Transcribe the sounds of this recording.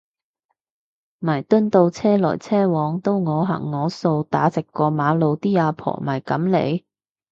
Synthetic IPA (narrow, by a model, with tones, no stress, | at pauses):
mɐ˨˩jt̪ɵ˥nt̪o˧wt͡sʰɛː˥lɔ̰ː˨˩jt͡sʰɛː˥wɔː˨˧˥ŋt̪o˥wŋɔː˨˧ɦɐ̰˨˩ŋːɔː˨˧so˧wt̪a̰ː˨˥t͡sɪ˨kːɔː˧maː˨˧˥lo˨˧wt̪iː˥aː˨˧pʰɔ̰ː˨˩mɐ˨˩jkɐ˨˥mlḛ˨˧j